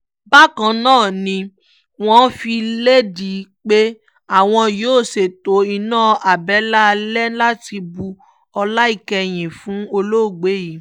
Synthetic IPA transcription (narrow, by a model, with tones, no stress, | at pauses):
ba˦kã˨nãː˦˨nĩ˧ | w̃ɔ̃˦fi˧le˦di˨˦k͡pe˦ | a˦˨w̃ɔ̃˧joː˨˦˨se˨to˨˦i˧nãː˦˨ʔa˨bɛ˨˦la˦˧lɛ˦la˦ti˧bu˧ | ɔ˧la˦i˦˨kɛ˧j̃ĩ˨fũ˨˦o˧lo˦˨ɡ͡be˨˦ji˨˦